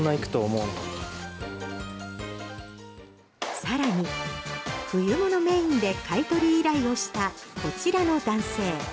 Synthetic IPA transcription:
naikɯ̟̥t̪o̞ːmoɯnok | saɾaɲ̟i | ɸɯ̟jɯmo̞no̞me̞ĩnd̪e̞kait̪o̞ɾʲiːɾaio̞ɕi̥t̪ako̞t͡ɕiɾano̞d̪ãɰ̃se̞ː

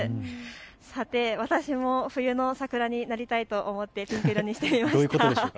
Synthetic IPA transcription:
sat̪e̞βat̪aɕimo̞ɸɯ̟jɯ̟no̞sakɯ̟ɾaɲ̟inaɾʲit̪ait̪o̞ʔomo̞t̪ːe̞pʲĩŋkɯɾoɲ̟iɕi̥t̪e̞mʲimaɕojɯkooeo

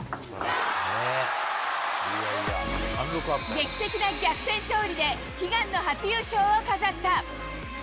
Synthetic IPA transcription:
e | asokaɡe̞kʲi̥t̪e̞kʲinaɡʲakɯ̟̥t̪ẽ̞ɰ̃ɕo̞ːɾʲid̪e̞ | çiɡãnːo̞ɦat͡sɨjɯːɕo̞ːokazat̪ːa

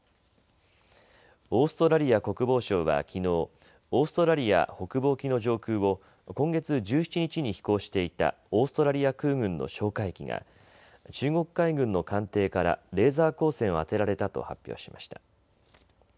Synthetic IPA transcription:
o̞ːsɨ̥t̪o̞ɾaɾʲiako̞kɯ̟bo̞ːɕo̞ːβa̰kʲino̞ː | oːsɨ̥t̪o̞ɾaɾʲia̰ho̞kɯ̟bo̞ːkʲino̞ʑo̞ːkɯ̟ːβo̞ | kõ̞ŋɡe̞t͡sɨd͡ʑɨːçi̥t͡ɕiɲ̟it͡ɕiɲ̟içi̥ko̞ːɕi̥t̪e̞it̪a̰ | o̞ːsɨ̥t̪o̞ɾaɾʲiakɯ̟ːɡɯ̟̃nːo̞̰ɕo̞ːkaikʲiŋa̰ | t͡ɕɨːŋo̞kɯ̥kːaiɡɯ̟̃nːo̞kãnt̪e̞ːkaɾa̰ɾe̞ːzaːko̞ːsẽ̞ɰ̃oat̪e̞ɾaɾe̞t̪at̪o̞̰ha̰pʲːjo̰ːɕi̥maɕi̥t̪a

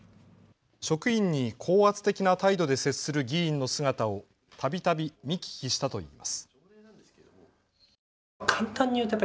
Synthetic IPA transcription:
ɕo̞kɯĩɲ̟ːikʰo̞ːat͡sɨ̥t̪e̞kʲinat̪aid̪o̞d̪e̞se̞t͡sɨ̥sɨɾɯ̟ɡʲĩːnːo̞sɨɡat̪ao̞ | t̪ʰabʲit̪abʲimʲikʲi̥kʲiɕi̥t̪at̪o̞ḭːma̰sɨ̥ | kʰãnt̪ãɲ̟ːijɯ̟t̪ojpː

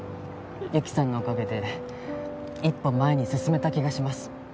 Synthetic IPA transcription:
jɯkʲi̥sãŋɡaokake̞t̪e̞ | ipːõ̞mːae̞ɲ̟isɨsɨme̞t̪akʲiɡaɕimasɨ̥

